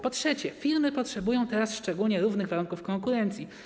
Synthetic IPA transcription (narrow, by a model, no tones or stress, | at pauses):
pɔtʂɛt͡ɕɛfʲiɾmɘpɔtʂɛbujɔ̃w̃t̪ɛɾasʂt͡ʂɛɡulɲɛɾuvnɘɣvaɾuŋkufkɔŋkuɾɛnt̪sʲi